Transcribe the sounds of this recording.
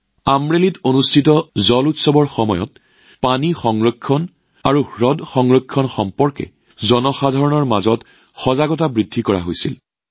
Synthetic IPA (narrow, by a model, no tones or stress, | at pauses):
amɹelitonustʰitɔzɔlutsɔbɔɹxɔmɔjɔ̰t̚ | panixɔŋɹɔkʰːɔn | aɹuhɹɔdxɔŋɹɔkʰːɔnxɔmpɔɹkɛ̰ | zɔnɔxadʱaɹɔnɔɹmazɔt | xɔzaɡɔt̬abɹidʱːikɔɹa̰ɦo̰jsḭl